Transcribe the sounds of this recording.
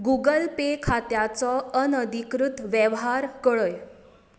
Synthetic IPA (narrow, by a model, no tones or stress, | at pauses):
ɡuɡəlpekʰat̪jat͡sɔənəd̪ʱikɾut̪ʋjəʋɦaɾkəɭəj